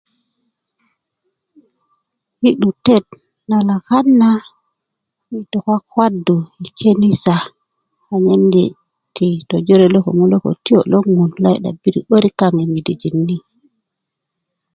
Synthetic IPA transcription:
hi˦ɗu˨te˦t̚ | na˨la˨ka˦nːa˦ | mi˨to˨kʷa˦kwa˦du˨i˨kʰe˦ni˦sa˨ | a˨ɲe˦mɡe˨ | ti˨to˨d͡ʒo˦ɾe˨lo˦ko̰˨ŋu˦lo˦ko̰˨ti˦o˨lo˦ŋu˨nla˦jɗa̰˨bi˦ɾḭ˨ɓo˦ɾi˦ka˨ŋi˨mi˨di˨d͡ʒi˨nːi˦

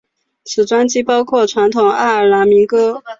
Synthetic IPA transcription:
t͡sʰɹ̩˨˩ʈ͡ʂwa˥nt͡ɕi˥˩pɑ˥ʊkʰwɔ˥˩ʈ͡ʂʰwa˧˥nt̪ʰʊ˨˩ŋa˥˩ə˞˨˩la˧˥nmi˧˥ŋkɤ˥

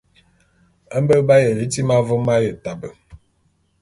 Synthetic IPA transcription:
ə˦m˦bə˦ba˦jə˨li˦ti˦ma˦vo˦ma˦jə˨ta˨bə˨

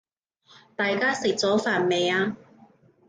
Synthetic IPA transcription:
t̪aː˨jkaː˥sɪ˨k̚t͡sɔː˨˥faː˨˩nme˨˧jaː˧

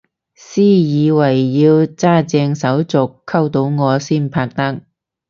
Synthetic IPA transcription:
siː˥jiː˨˧wɐ˨˩jːiː˧wt͡saː˥t͡sɛː˧ŋsɐ˨˥wt͡sʊ˨kʰːɐ˥wt̪o˨˥wŋɔː˨˧siː˥npʰaː˧k̚t̪ɐ˥k̚

